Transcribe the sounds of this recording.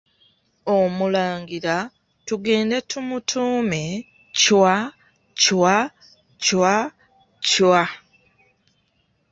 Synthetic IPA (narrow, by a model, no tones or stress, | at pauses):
omulaːŋɡiɾa | tuɡe̞ːnde̞tumutʰuːme̞ | cwa | cwa | cwa | cwa